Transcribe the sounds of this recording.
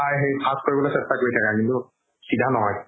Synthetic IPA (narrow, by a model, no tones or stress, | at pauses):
ajɦejsʰaskoɹibɔlojsɛstakoɹitʰakakintu | sidʱanɔɦɔj